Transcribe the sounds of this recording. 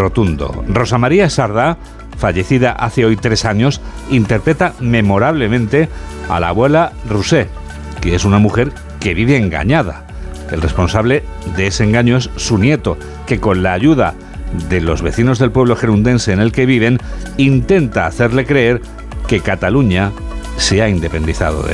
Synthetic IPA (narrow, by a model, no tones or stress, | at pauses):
ro̞t̪und̪o̰ro̞samaɾiasaɾða | faʝe̞θiðaʔaθe̞o̞jt̪ɾe̞saɲo̞sint̪e̞ɾpɾe̞t̪ame̞mo̞ɾaβ̞le̞mẽ̞nt̪e̞ | a̰la̰βwe̞laruse̞ | kee̞sunamuxe̞ɾ | ke̞βiβe̞ːŋɡa̰ɲað̞a̰ | elre̞spo̞nsaβle̞ðeeseŋɡaɲoe̞sːunje̞t̪o | ke̞ko̞nlaːʝuða | ðe̞lo̞̰zβe̞θino̞zðe̞lpwe̞β̞lo̞xe̞ɾund̪e̞nse̞ːne̞lke̞β̞iβ̞e̞nint̪e̞nt̪aːθe̞ɾle̞kɾe̞e̞ɾ | ke̞kat̪aluɲaseaind̪e̞pe̞nd̪iθa̰ðo̞̰ðe